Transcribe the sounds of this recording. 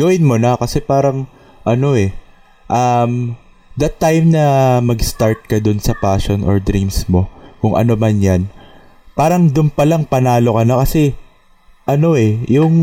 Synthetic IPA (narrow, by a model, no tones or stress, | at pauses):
ɡ̥ɐwɪnmonɐkɐsɛpaːɾɐŋ | ʔɐno̞ʔɛ | ʔɐm | d̪ɐt̪ːajmnɐmɐɡst̪aɹt̪̚kɐd̪ʊnsɐpaːʃonʔo̰ɹd̪ɾimsmo̞kʊŋʔɐ̰no̞mɐnjan | paːɾɐŋd̪ʊnpɐlaŋpɐnaːlo̞kɐnokɐsɛ | ʔɐno̞ʔɛjʊŋ